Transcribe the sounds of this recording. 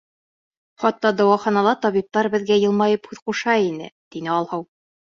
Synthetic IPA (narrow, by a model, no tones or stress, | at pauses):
χɑt̪ːɑd̪ɒwɑχɑnɑlˠɑt̪ɒβip̚t̪ɑɾbɘ̆ðɡæjɤ̆lˠmɑjɤphʉðquʃɑinɘ̰t̪inɘɒlˠhɤw